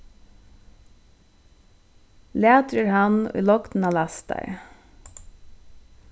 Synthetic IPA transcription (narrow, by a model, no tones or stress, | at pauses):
leːt̪ɾəɹhɑnḭːlɔkt̪n̩ɑːlæst̪ɑ̰ɪ